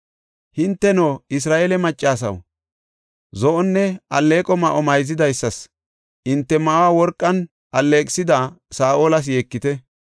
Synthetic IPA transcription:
hɪnt̪ːɛnoːɪs̬ɾaːʔeːlɛmɐt͡ʃʼːaːs̬ɐ̰w | zɔʔɔnːɛɐlːeːkʼɔmɐʔɔmɐjzɪd̪ɐjsːɐs | ʔɪnt̪ːɛmɐwawɔɾkʼːɐn | ʔɐlːe̞ːkʼɪsɪd̪asaːʔoːlɐs̬je̞ːkːɪt̪ɛ

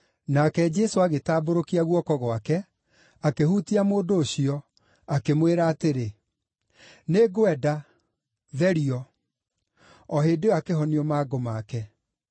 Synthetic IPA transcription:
nakɛd͡ʒɛsoaɣetaːboɾokiaɣwɔkɔɣwakɛ | akehutiamoːndoːɕiɔ | akemweɾaːteɾe | neɡoɛda | ðɛɾiɔ | ɔɦeːdeakeɦɔniɔmaːɡomakɛ

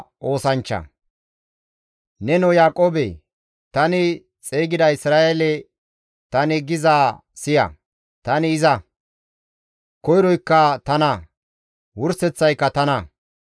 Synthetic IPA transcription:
ʔo̞ːsɐnt͡ʃːɐ̰ | nɛnɔjaːkʼoːbḛ | t̪ɐnɪ | t͡sʼeːɡɪd̪ɐɪsɾaːʔelɛ | t̪ɐnɪɡɪzaː | sɪjɐ̰ | t̪ɐnɪːzɐ | kɔjɾɔjkːɐt̪ɐnɐ | wʊɾsɛt͡sːɐjkːɐt̪ɐnɐ

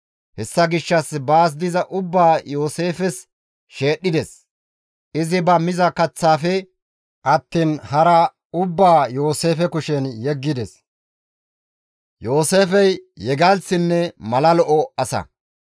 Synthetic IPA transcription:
hɛsːɐɡɪʃːɐsbaːs̬d̪ɪzɐʔʊbːaːjo̞ːse̞ːfɛs | ʃe̞ːɗːɪd̪ɛs | ʔɪzɪbɐmɪzɐkɐt͡sːaːfɛ | ʔɐt̪ːiːnhɐɾɐ | ʊbːaːjo̞ːse̞ːfɛkʊʃɛnjɛɡːɪd̪ɛs | jo̞ːse̞ːfɛjːɛɡɐlsɪnːɛmɐlɐlɔʔɔɐsɐ̰

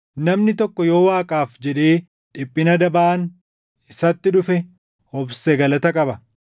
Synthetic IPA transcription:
nɐmnɪt̪ɔkːɔjo̞ːwaːkʼaːfd͡ʒɛᶑe̞ː | ᶑɪpʼːɪnɐd̪ɐbaːʔn | ɪsɐt̪ːɪᶑʊfɛ | hɔbsɛɡɐlɐt̪ɐkʼɐbɐ

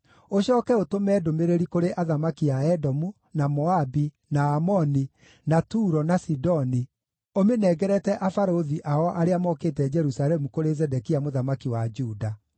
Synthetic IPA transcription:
oɕɔːkɛotomɛːdomeɾeɾikoɾeʔaðamakiaɛdɔmu | namɔabi | naːmɔni | natuːɾɔnasidɔni | omenɛɡɛɾɛtɛʔafaɾoðiʔaɔʔaɾeamɔkeːtɛd͡ʒɛɾusaɾɛmukoɾezɛdɛkiamoðamakiwad͡ʒuːda

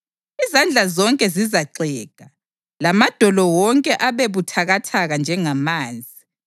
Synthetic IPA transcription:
izand͡ɮʱazɔŋkʼɛzizaǀɛːɡ̥ʱa | lamad̥ʱɔlɔwɔŋkʼɛʔaβeβutʰaɣatʰaɣand͡ʒʱɛŋamaːnd͡zʱi

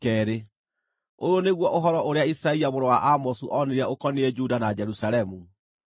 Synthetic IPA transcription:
kɛːɾe | oɾoneɣwɔʔoɦɔɾɔoɾeaisaiamoɾɔwaʔamɔsuʔɔneɾɛokɔneɛd͡ʒudanad͡ʒɛɾusaɾɛmu

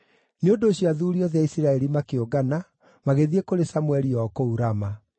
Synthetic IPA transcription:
neondoːɕiaðuɾiɔðjaisiɾaɛɾimakeoɡana | maɣeðiekoɾesamwɛɾiɔkouɾama

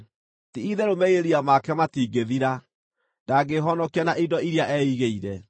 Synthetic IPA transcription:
tiiðɛɾomɛieɾiamakɛmatiːɡeðiɾa | daɡeɦɔnɔkianaʔidɔiɾiaʔɛiɣeiɾɛ

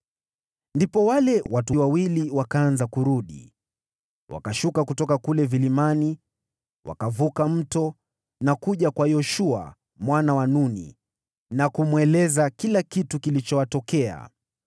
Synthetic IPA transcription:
ndipɔwalɛwʔatuwawiliwakaanzakuɾuɗḭ | wa̰kaʃukakutɔkakulɛvilimani | wʔa̰kavukam̩tɔ | nakuʄakwajɔʃua̰ | mwanawanunḭ | nakumwɛlɛzakilakitukilit͡ʃɔwatɔkɛa̰

